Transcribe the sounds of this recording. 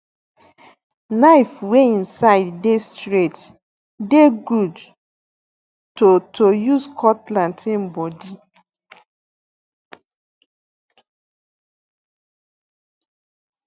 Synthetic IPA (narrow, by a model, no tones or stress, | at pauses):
naɪfweĩnsaɪdːestɹet | deɡud | totojuzkʰɔtlãntĩmbɔdi